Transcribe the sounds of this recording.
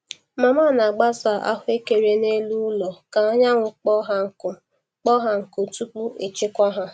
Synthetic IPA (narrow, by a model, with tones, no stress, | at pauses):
ma˨ma˦˨na˨ɡ͡ba˦za˨ʔa̰˦ɦʊ˦e˦ke˨ɾe˨ne˦lu˦lɔ˨ka˨ɔ˦ɲa˦ŋʷʊ˨k͡pɔ˦ɦa˦˨ʊ˨ | k͡pɔ˦ɦa˨ŋ̩˨ko˨tu˦k͡pu˦e˨t͡ʃɪ˦kʷɔ˦ɦa˦